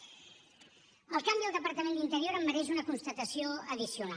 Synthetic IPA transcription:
əlˠkambizðəlˠd̪əpəɾt̪əmend̪int̪əɾioɾəmːəɾɛʒ̬unəkunst̪ət̪əsioəðisiuna

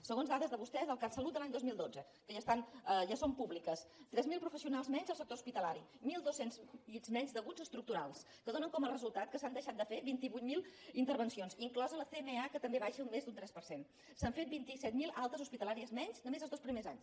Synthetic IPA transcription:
səɣonzðaðəzðəβust̪ɛzðəlˠkasəlut̪̚əlaɲd̪ozmilˠd̪od͡zə | kəʒast̪anəʒasompuβlikəst̪ɾɛzmilˠpɾufəsiunalˠzmɛɲzəlˠsəkt̪ouspit̪əlaɾimilˠd̪osenzʎizmɛɲzd̪əɣud͡zəst̪ɾuk̚t̪uɾa̰lˠs | kəðonəŋkɔməlrəzulˠt̪at̪̚kəsand̪əʃat̪̚d̪əfeβint̪iβujt̪̚milˠint̪əɾβənsionsziŋklɔzələθemeakət̪əmbeβaʃəummezd̪unt̪ɾɛspəɾsen | saɱfet̪̚bint̪isɛt̪̚milˠalˠt̪əzuspit̪əlaɾiəzmɛɲznəmezəlˠzðospɾimeza̰ɲs

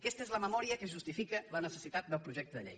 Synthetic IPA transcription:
əkɛst̪əezləməmɔɾiəkəʒust̪ifikələnəsəsit̪at̪̚d̪əlˠpɾuʒɛkt̪əðə̰ʎḛj

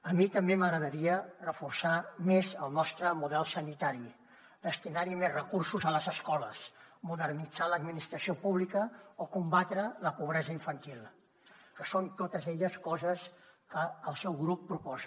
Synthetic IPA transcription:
əmit̪əmbeməɣɾəðəɾiərəfursamezəlˠnɔst̪ɾəmuðɛlˠsənit̪aɾi | d̪əst̪inaɾimezrəkursuzələzəskɔləsmuðərnid͡zaləd̪minist̪ɾəsiopuβlikəokumbat̪ɾələpuβ̞ɾɛzəiɱfənt̪ilˠ | kəsont̪ot̪əzɛʎəskɔzəskəːlˠsɛwɣɾupːɾupɔz

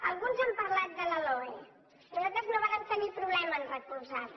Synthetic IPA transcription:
əlˠɣunzəmpəɾlat̪̚d̪ələlɔje | əzat̪əznoβaɾəmt̪ənipɾuβlɛmənrəkulzat̪

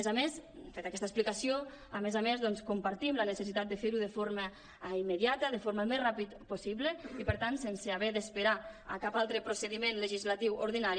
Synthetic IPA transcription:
ezamesfet̪akɛst̪əsplikasio | əmezamezðɔnskumpaɾt̪imlənəsəsit̪at̪d̪əfeɾuðəfoɾmə | imːəðjat̪əðəfoɾməmezrapit̪pusiβləipəɾt̪ansensəaβɛðəspəɾaəkapalˠt̪ɾəpɾosəðimenləʒizlat̪iwoɾðinaɾi

